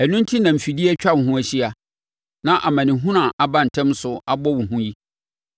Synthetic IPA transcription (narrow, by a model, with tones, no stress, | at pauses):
æ˨nʊ̃˦n˦tʰi˦nã˨m̩˨fi˨di˦ɛ˦t͡ɕᶣa˦˨ɦʊ̃˦æ˨ɕi˦a˨ | nã˦ʔa˨mã˨nɪ̃˨ɦũ˦nã˨ʔa˨bã˦n̩˨tʰɛ̃˦m˦sʊ˨a˦bɔ˦wʊ̃˨ɦũ˦ji˦